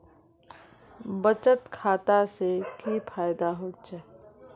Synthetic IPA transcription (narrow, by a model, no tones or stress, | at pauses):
bət͡ʃət̪kʰaːt̪asekipʰaːjd̪aɦoːt͡ʃɛ